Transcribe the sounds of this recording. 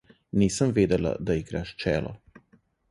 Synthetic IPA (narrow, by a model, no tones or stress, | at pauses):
niːsamʋiːd̪ɛla̰d̪aiɡɾaʃt͡ʃɛːlɔ̰